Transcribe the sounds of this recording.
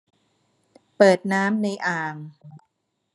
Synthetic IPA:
pɤː˨˩t̪̚naː˦˥mna˧jʔaː˨˩ŋ

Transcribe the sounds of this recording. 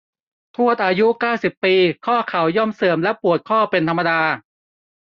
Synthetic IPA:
t̪ʰu˥˩ət̪̚ʔaː˧ju˦˥kaː˥˩wsi˨˩pːiː˧kʰɔː˥˩kʰa˨˩˦wjɔ˥˩msɤː˨˩˦mlɛ˦˥pu˨˩ət̪̚kʰɔː˥˩pe˧nt̪ʰa˧mːa˧daː˧

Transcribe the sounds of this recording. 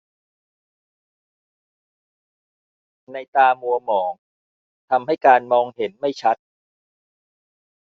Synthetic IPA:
na˧jt̪aː˧mu˧ɐmɔː˩˦ŋ | t̪ʰa˧mɦa˥˩jkaː˧nmɔː˧ŋhe˩˦nma˥˩jt͡ɕʰa˦˥t̪̚

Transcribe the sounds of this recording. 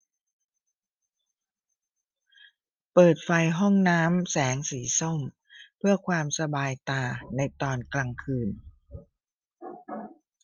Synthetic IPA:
pɤː˨˩t̪̚fa˧jɦɔ˥˩ŋnaː˦˥msɛː˩˦ŋsiː˩˦so˥˩m | pʰɯ˥˩ɐkʰwaː˧msa˧baː˧jt̪aː˧na˧jt̪ɔː˧nklaː˧ŋkʰɯː˧n

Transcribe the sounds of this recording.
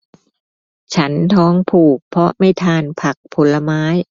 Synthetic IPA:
t͡ɕʰa˦˥nt̪ʰɔː˦˥ŋpʰuː˨˩k̚pʰɾɔ˦˥ma˥˩jt̪ʰaː˧npʰa˨˩k̚pʰo˩˦lːa˧maː˦˥j

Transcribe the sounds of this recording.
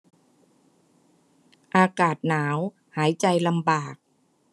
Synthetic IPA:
ʔaː˧kaː˨˩t̪̚naː˩˦w | haː˩˦jt͡ɕa˧jla˧mbaː˨˩k̚

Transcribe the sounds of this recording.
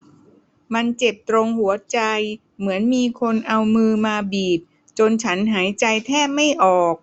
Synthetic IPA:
ma˧nt͡ɕe˨˩p̚t̪ɾo˧ŋhu˩˦ɐt͡ɕa˧j | mɯ˩˦ənmiː˧kʰo˧nʔa˧wmɯː˧maː˧biː˨˩p̚ | t͡ɕo˧nt͡ɕʰa˦˥nɦaː˩˦jt͡ɕa˧jt̪ʰɛː˥˩p̚ma˥˩jʔɔː˨˩k̚

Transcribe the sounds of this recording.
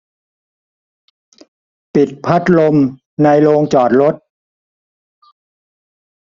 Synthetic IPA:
pi˨˩t̪̚pʰa˦˥t̪̚lo˧m | na˧jloː˧ŋt͡ɕɔː˨˩t̪̚ɾo˦˥t̪̚

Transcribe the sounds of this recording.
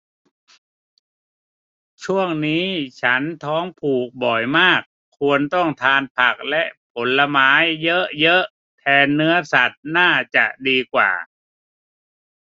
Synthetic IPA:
t͡ɕʰu˥˩əŋniː˦˥t͡ɕʰa˦˥nt̪ʰɔː˦˥ŋpʰuː˨˩k̚bɔ˨˩jmaː˥˩kʰːu˧ənt̪ɔ˥˩ŋt̪ʰaː˧npʰa˨˩k̚lɛ˦˥ʔpʰo˩˦nla˧maː˩˦˥jːɤ˦˥ʔjɤ˦˥ʔ | t̪ʰɛː˧nːɯ˦˥ɐsa˨˩t̪̚naː˥˩t͡ɕa̰˨˩ʔdiː˧kwa̰ː˨˩

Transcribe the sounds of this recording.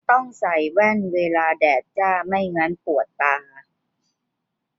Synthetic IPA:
t̪ɔ˥˩ŋsa˨˩jwɛ˥˩nweː˧laː˧dɛː˨˩t̪̚t͡ɕaː˥˩ma˥˩jŋa˦˥npu˨˩ət̪ːaː˧

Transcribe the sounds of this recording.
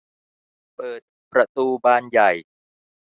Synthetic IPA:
pɤː˨˩t̪̚pɾa˧t̪uː˧baː˧nja˨˩j

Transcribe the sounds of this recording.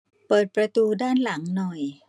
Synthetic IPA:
pɤː˨˩t̪̚pɾa˧t̪uː˧daː˥˩nla˩˦ŋnɔ˨˩j

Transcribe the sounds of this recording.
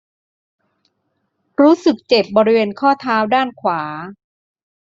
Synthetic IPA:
ɾuː˦˥sɯ˨˩k̚t͡ɕe˨˩p̚bɔː˧ɾi˦˥weː˧nkʰɔː˥˩t̪ʰaː˦˥wdaː˥˩nkʰwaː˩˦

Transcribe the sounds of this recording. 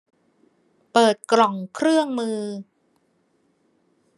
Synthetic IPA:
pɤː˨˩t̪̚kɾɔ˨˩ŋkʰɾɯ˥˩əŋmɯː˧

